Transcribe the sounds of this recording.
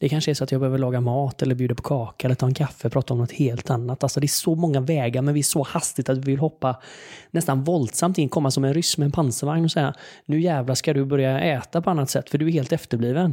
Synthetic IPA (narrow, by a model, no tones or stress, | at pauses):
d̪̥ɛkʰanʂəɛʂsɔat̪jɑɡbɛhøːvəɭɑːɡamɑːt̪ɛlːəɾbjʉːd̪apʰɔ̥kʰɑːkaɛləɾt̪ʰɑːɛnkʰafːəpʰɾɑːt̪aɔmnɔt̪heːlt̪anːat̪alsɔd̪ɛɛʂɔmɔŋːavɛːɡaɾmɛnvɪæʂɔhast̪ɪt̪at̪vɪvɪlhɔpːanɛst̪anvɔld̪samt̪ɪnːkʰɔmːasɔmɛnɾʏsmɛɛnpʰansəvaŋnɔsɛjːanʉ̟ːjɛːvlaskad̪ɵbœɾjaɛːt̪apʰɔanːat̪sɛt̪ːfœɖɵæɾheːlt̪ɛft̪əɾbliːvən